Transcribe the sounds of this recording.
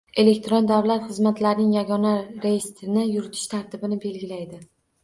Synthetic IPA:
e̞le̞k̚ʲt̪ɾo̞nd̪awlat̪χɨzmat̪laɾnɪŋjaɡɒnaɾejɪst̪ɾɪnɪjʊɾɪt̪ʰɪ̥ʃt̪ʰaɾt̪ʰɪbɪnɪbe̞lɡʲɪlajd̪ɪ

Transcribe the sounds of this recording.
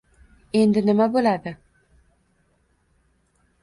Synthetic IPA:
e̞nd̪ɪnɪmabolad̪ɪ

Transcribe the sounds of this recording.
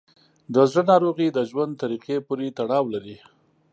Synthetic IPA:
d̪əzɽənɑɾoɣid̪əʒwand̪t̪aɾiqepuɾet̪aɽɑwlaɾi

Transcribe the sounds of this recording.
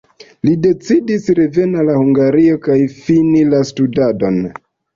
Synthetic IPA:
lide̞t͡sidisɾe̞ve̞nalahuŋɡaɾio̞kajfinilastudado̞n

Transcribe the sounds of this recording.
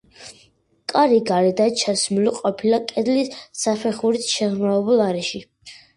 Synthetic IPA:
kʼaɾiɡaɾɛd̪at͡ʃʰasmuliqʼɔpʰilakʼɛd̪lissapʰɛχuɾit̪ʃɛʁmavɛbulˠaɾɛʃi

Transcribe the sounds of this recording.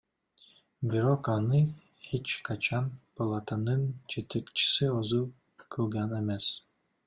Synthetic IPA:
biɾokɑnɯ | het͡ʃkʰɑt͡ʃɑnpolˠat̪anɯnt͡ʃʰet̪ekt͡ʃi̥siozu | kʰɯlˠɡɑnemes

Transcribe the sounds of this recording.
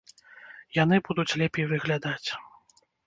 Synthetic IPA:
jan̪ɨbud̪ut͡sʲlʲɛpʲejvɨɣlʲad̪at͡sʲ

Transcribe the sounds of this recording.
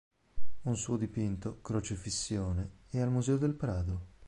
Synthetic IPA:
unsuːod̪ipint̪okɾot͡ʃifisːjoːneɛalmuzɛːod̪elpɾaːd̪o

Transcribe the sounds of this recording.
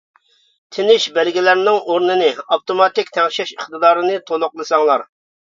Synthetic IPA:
t̪ʰɪnɪʃbɛlɡʲilæɾnɪŋoɾnɨnɨɑpt̪omɑt̪ɪkʲt̪ʰɛŋʃɛʃəχt̪ɨd̪ɑːɾɨnɨt̪ʰolˠʊqlˠɨsɑŋlˠɑɾ

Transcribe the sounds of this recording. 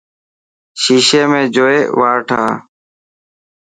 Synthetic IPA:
ʃiːʃeːmẽːd͡ʒoːeːʋaːɾʈʰa̰ː

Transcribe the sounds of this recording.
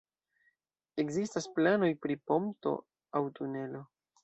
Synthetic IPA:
e̞kzistasplano̞jpɾipo̞mto̞̰ | awtune̞lo̞

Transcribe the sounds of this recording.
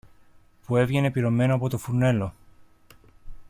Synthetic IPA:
pue̞vʝe̞ne̞piɾo̞mːe̞noɐpo̞t̪o̞fune̞lo

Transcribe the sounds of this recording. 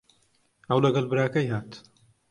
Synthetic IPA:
ɐwlɐɡɐlbɨɾaːkɐjhaːt̪

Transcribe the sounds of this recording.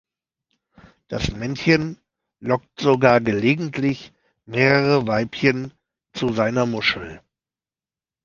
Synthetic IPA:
d̥asmɛnçən | lɔk̚tz̥oɡaːɐɡəleːɡŋ̩tʰlɪç | meːʁəʁəvaɪpçən | t͡suzaɪnɐmʊʃl̩

